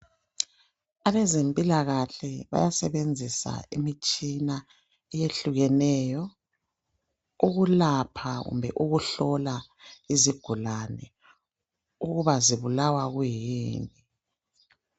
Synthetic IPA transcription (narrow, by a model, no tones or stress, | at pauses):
aβɛzempʼilaɣaɬɛβa̰jasɛβend͡zʱisa̰imit͡ʃʼina | ɛjeɬuɣɛnɛjɔ | uɣulapʰaɣṵmbʱɛʔuɣuɬɔlaiziɡ̥ʱulanɛ̰ | uɣuβaziβulawaɣujiːni